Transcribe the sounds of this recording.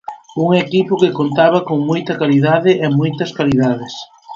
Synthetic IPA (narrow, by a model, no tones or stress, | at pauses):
uŋekipʊkɪkont̪aβ̞ɐkoŋmojt̪ɐkaliðaðɪʔɛmojt̪ɐskaliðaðɪs